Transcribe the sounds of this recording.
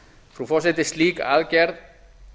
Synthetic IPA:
fɾufɔset̪eslika̰lkeɾ

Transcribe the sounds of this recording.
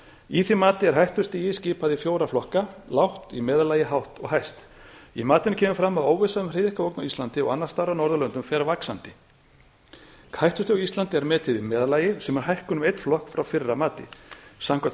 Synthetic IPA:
iθimaːt̪ɪɛɾ̥ɦajht̪ʏst̪ɪjɪsciːpaðifjoːwɾaflɔhkalawht̪imɛːðalaːjɪɦawht̪ɔ̰ɣɦajst̪imaːt̪ɪnacʰɛːmʏfɾamːaðoːwvɪsaðʏmreːðɪhkaoːwknawist̪lant̪ɪɔ̰ɣanːaɾ̥st̪aɾːanɔɾðʏlœnt̪ʏmfɛːɾavaksant̪ɪ | khajht̪ʏ̥st̪ɪaist̪lant̪ɪɛɾmɛːt̪ʰɪðimɛːðalaːjɪsɛmɛɾ̥ɦajhkʏnʏmejt̪flɔhkfɾawfɪrːamaːt̪ɪ̰samkʰa

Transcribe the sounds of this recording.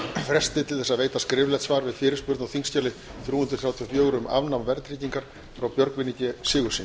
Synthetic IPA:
fɾɛst̪ɪt̪ʰɪlθɛsaðveːjt̪askɾɪvlɛt̪svaːɾvɪðfɪːɾɪ̥spʏɾt̪awθiŋscaːlɪθɾjuːnt̪ɾʏ̥θjaːwt̪ʰijɔfjœːɣɾʏmʔa̰vnamvɛɾt̪ɾiːciŋkaɾ̥ | fɾawpjœɾkvɪnicɪsɪːɣʏsin

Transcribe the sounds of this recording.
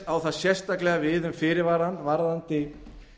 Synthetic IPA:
awθaðsjɛ̥st̪aklɛɣavɪðʏmfɪːɾɪɾvaɾanːvaɾðant̪ɪ

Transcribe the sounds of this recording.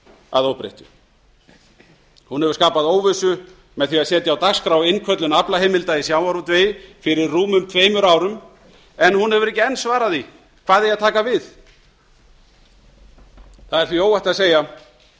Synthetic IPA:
a̰ðohpɾḛht̪ʏ̥ | hunhɛvɾ̥skaːpaðoːwvɪsʏ | mɛðθviaðsɛːt̪jawt̪akskɾawɪnkʰœt̪lʏnaplahejmɪlt̪aisjawmaɾut̪ʰvejfɪɾɪɾːuːmʏmt̪ʰveːjmʏɾawɾʏm | ɛnhunhɛvʏɾɛhcɪɛnːsvaːɾaði | kʰv̥aːðɛjaðt̪ʰaːkavɪθ | θaðɛɾ̥θvioːwaht̪aðseːja

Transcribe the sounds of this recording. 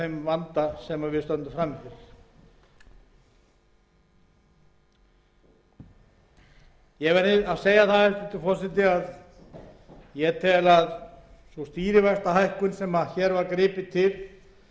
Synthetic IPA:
ejmvant̪asɛmavɪðst̪œnt̪ʏfɾamːɪθɪɾ | jɛvɛɾaðseːjaθaðɛft̪ʏ̥t̪ʰɪlfɔr̥sɪt̪ɪað | jɛt̪ʰɛlaðsɔst̪iːɾɪvast̪aɦajhkʏnsɛmaðçɛɾvaɾkɾɪːpɪt̪ʰɪl

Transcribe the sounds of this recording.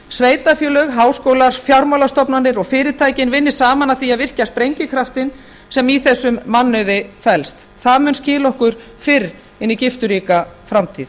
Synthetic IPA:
sveːjt̪afjœːlœɣɦaːwskoːwlaɾ̥fjawɾmawlast̪ɔpnanːɪɾɔɣfɪːɾɪt̪ʰaːjcɪnvɪnːɪ̥saːmanaθiaðvɪr̥caspɾejɲcɪkʰɾaft̪ɪn | sɛmiθɛsːʏmːanːʏðɪfɛlst̪ | θaðmʏnscɪːlɔhkʏɾ̥ | fɪɾ | ɪnːicɪft̪ʏɾiːkafɾamt̪ʰḭːð

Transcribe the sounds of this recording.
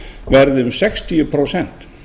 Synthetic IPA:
vɛɾðɪʏmsɛkst̪iʏpʰɾowsɛn̥t̪

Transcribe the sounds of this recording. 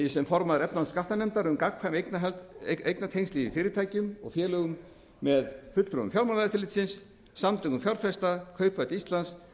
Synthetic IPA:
jɪsɛmfɔɾmaðʏɾɛt̪nanskaht̪anɛmt̪aɾʏmkakʰfajmeknaɦɛlt̪ejknat̪ʰejŋst̪iːvifɪːɾɪɾt̪ʰaːjcʏmɔ̰ɣfjɛːlœɣʏmː | ɛðfʏt̪lfɾʏʏ̰mfjawɾmanaɪt̪θʰɪɾlɪt̪sɪnsː | amt̪ʰʏŋkʏmfjawɾfɛst̪akʰœːɥpœɥt̪ist̪lans

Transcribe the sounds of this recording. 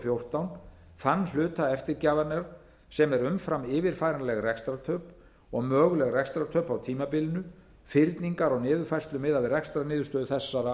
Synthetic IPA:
fjowr̥t̪awn | θanːlʏːt̪aɛft̪ɪɾcaːvaɾnɛɾ | sɛmɛɾʏmfɾamɪːvɪɾ̥fajɾanalɛɣrɛkst̪ɾat̪ʰœːp | ɔɣmœːɣʏlɛɣrɛkst̪ɾat̪ʰœɥpawt̪ʰiːmapɪlnʏ | fɪɾt̪niŋkaɾɔɣnɪːðʏɾfajrst̪lʏmɪðavɪrɛkst̪ɾanɪːðʏst̪œːðʏθɛsːaɾa

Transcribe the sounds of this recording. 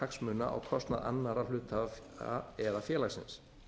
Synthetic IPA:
aksmʏnːa̰ʔa̰wkʰɔst̪naða̰nːaɾalʏːt̪ʰaa̰ɛðafjɛːlaɣsɪ̰ns

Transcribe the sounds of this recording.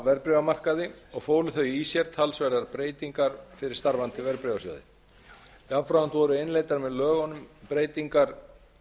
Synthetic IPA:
vɛɾpɾɛvamar̥kaðɪɔɣfoːwlɪθœɥisjɛɾ̥t̪ʰalsvɛɾðaɾpɾeːjt̪iŋkaɾ̥fɪɾɪɾ̥st̪aɾvant̪ɪvɛɾpɾɛvasɔ̰ːwðɪ̰ | avfɾawant̪vɔɾʏɪnlejt̪aɾmɛðlœːɣɔnʏmpɾeːjt̪iŋkaɾ̥

